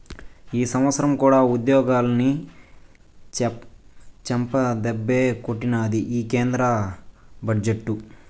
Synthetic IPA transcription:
iːsɐmʋɐt̪sɐɾɐmkuːɽaːud̪jɔːɡaːlɐni | t͡ʃɛmpɐd̪ɛbːeːkoʈːinɐːd̪iʔiːkeːnd̪ɾɐ | bɐd͡ʒeʈːu

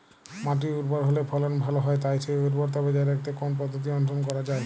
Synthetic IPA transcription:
maʈ̬iuɾpoɾɦolepʰɔlonbʱaloɦɔet̪̬ajt͡ʃʰeuɾpoɾt̪̬ɔbed͡ʑaɾek̚t̪ekonpɔd̪ʱːot̪̬iɔnt̪̬ɾonkɔɾad͡ʑae

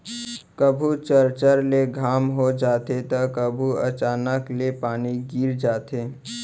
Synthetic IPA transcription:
kəbʱut͡ʃəɾt͡ʃəɾleɡʱaːmɦod͡ʒaːt̪et̪əkəbʱuɐ̰t͡ʃaːnəklepaːniɡiːɾd͡ʒaːt̪eː

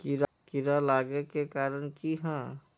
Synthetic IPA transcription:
kiɾakɪɾalaːɡekekaːɾənkiɦɛ̃ː

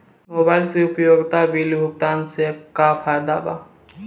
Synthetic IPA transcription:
moːbaːɪlseʊpjoːɡt̪abiːlbʱʊk̚t̪aːnsekapʰaːd̪aːba̰

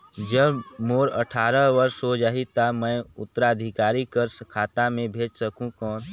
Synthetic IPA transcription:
d͡ʒəbmoːɾə̰ʈʰaːɾəʋəɾʃɦod͡ʒaːɦit̪amɛ̃ʊt̪ːɾaəd̪ʱɪkaːɾikəɾskʰaːt̪amẽbʱeːd͡ʒsəkũkɔːn

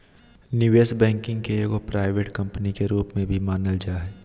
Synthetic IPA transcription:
nɪʋeːsbɛ̃ːŋkɪ̃ŋkekopɾaːɪʋeːʈkɐ̃mpənikeɾuːpmẽbʱimaːnəld͡ʒaːɦɛː

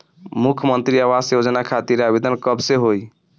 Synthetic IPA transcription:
mukʰmənt̪ɾiaʋasjod͡ʒənakʰat̪iɾabid̪ʱənkəbseɦoj

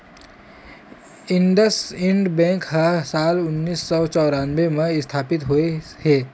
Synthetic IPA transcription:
ɪ̃ɳɖəsɪ̃ɳɖbɛ̃ːŋkɦɐsaːlʊnːiːsːɔt͡ʃɔːɾaːnʋemẽɪst̪ʰaːpɪt̪ɦue | hɛː

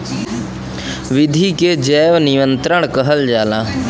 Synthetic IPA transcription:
ʋɪd̪ʱiked͡ʒɛːʋnɪʋə̃nt̪ɾəɳ̃kəɦəld͡ʒaːlãː

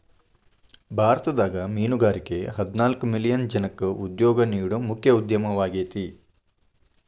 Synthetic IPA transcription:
bʱaːɾɐt̪ɐd̪aːɡɐmiːnuɡaːɾikeɦɐd̪inaːlkumilijɐnd͡ʒɐnɐkːɨʔud̪joːɡɐniːɽumukʰjɐud̪jɐmɐʋaːɡeːt̪i

